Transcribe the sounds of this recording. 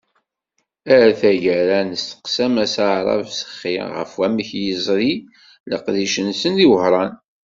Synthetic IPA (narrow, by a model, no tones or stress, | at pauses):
æɾθæʝæɾænəst̪ə̥qsæmæsaʕɾˤɑ̰vsə̥χːḭʁə̰fwæməçjəzˤɾi | lə̰qðiʃənsənðiwəhɾˤɑn